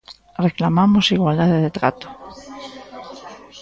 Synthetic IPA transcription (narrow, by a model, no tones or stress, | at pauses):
reklamamosiɣwald̪aðeðet̪ɾat̪o̥